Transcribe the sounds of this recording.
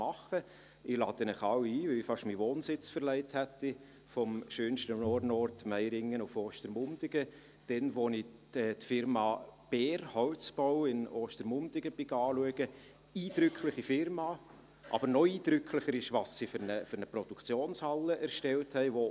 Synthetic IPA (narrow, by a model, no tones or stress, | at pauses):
mɑχə | ɪlɑːd̥̪ənɪχɑwiːvɪɪfɑʃmiʋoːnsɪt͡sfəɾlɛɪthæt̪ːi | fɔmʃøːnʃtənɔɾnɔrtmæɪɾɪŋːənufoːʃtəɾmʊnd̪̥ɪɡ̥ə | d̥ɛnʋoniɛtfɪɾmɑb̥ɛːrhɔʊt͡sb̥ɔwɪnoːʃtəɾmʊnd̥̪ɪɡəb̥ɪɡɑːluəɡ̥ə | iːd̥ɾʏkʰχlɪχifɪɾmɑ | ʔɑ̰bəɾnɔiːd̥ɾʏkχlɪχəɾɪʃʋɑsːifʏɾnəfʏɾnəpɾɔd̥ukʰt͡sjoːnshɑlːəʔɛɾʃtɛlthɛɪʋo